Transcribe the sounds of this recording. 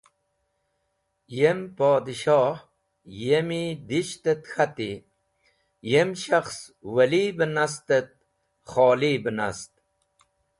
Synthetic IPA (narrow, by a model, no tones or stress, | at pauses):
jempoːd̪iʃɑːh | jemid̪iʃt̪et̪xat̪i | jemʃaxs | wɐlibənas̬t̪ət̪̚ | χoːlibəna̰st̪̚